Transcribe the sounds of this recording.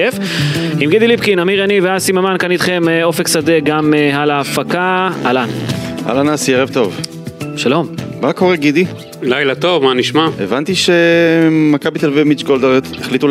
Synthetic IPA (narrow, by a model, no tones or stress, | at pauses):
ef | imɡid̪ilipkinamiʁaniveasimamankanit̪χe̞meo̞feksad̪eɡamehalaːfakaalana̰lanasieʁevt̪o̞v | ʃalo̞mmako̞ʁeɡid̪i | lajlat̪o̞vmaniʃmaevant̪iʃemakabit̪elvimit͡ʃɡold̪eʁt̪eχlit̪u